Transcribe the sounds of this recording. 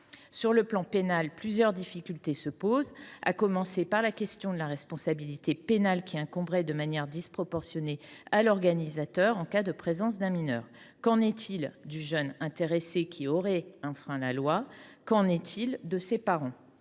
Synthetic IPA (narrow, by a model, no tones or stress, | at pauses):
syʁləplɑ̃penalplyzjœʁd̪ifikʲylt̪esəpoza̰kɔmɑ̃sepaʁlakʲɛst̪jɔ̃d̪əlaʁɛspɔ̃sabilit̪epenalkʲiɛ̃kɔ̃bʁɛd̪əmanjɛʁd̪ispχɔpɔʁsjɔnealɔʁɡanizat̪œʁɑ̃kad̪əpχezɑ̃s̬d̪ɛ̃minœːʁ | kɑ̃nɛt̪ʰild̪yʒœnɛ̃t̪eʁesekʲiɔʁɛɛ̃fχɛ̃lalwakɑ̃nɛt̪ʰild̪əsepaʁɑ̃